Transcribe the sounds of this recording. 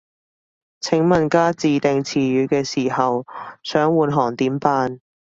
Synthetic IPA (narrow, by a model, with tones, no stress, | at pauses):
t͡sʰɪ˨˥ŋmɐ˨nkaː˥t͡siː˨˧t̪ɪ˨ŋt͡sʰiː˨˩ɥyː˨˧kɛː˧siː˨˩hɐ˨wsœː˨˥ŋwuː˨nɦɔː˨˩ŋt̪iː˨˥mpaː˧n